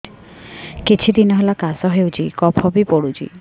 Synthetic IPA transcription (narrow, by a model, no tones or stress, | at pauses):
kit͡ʃʰid̪inɔɦelakasɔɦewt͡ʃʰikɔpʰɔbipɔɽud͡ʒʰḭ